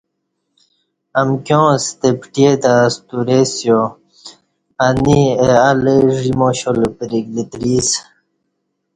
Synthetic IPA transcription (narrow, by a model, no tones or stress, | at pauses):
amkjõːst̪epʈjet̪ast̪uɾesjo | aniealeʐimoɕolpəɾiɡlit̪ɾis